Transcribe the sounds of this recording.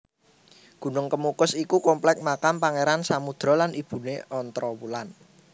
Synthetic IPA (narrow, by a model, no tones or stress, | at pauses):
ɡ̥ṳnʊŋkəmukʊsikukɔmplɛk̚makampaŋeɾansamud̪̥ɾɔ̤lanib̥ṳneɔnt̪ɾɔwulan